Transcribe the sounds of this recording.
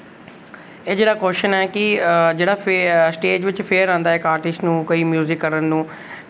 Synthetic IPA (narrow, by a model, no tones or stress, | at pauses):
eːd͡ʒeːɽaːkoːʃənɛːkɪd͡ʒeːɽaːpsʈeːd͡ʒʋɪt͡ʃpʰeːɾãːnd̪aːɛːkaːɾʈɪsnũːkoiːmjuːzɪkːəɾənnũː